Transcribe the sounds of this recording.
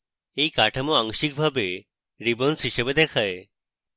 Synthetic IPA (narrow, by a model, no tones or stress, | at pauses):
eikaʈʰəmoaŋʃik̚bʱabe | ɾibənsɦiʃəbed̪ekʰae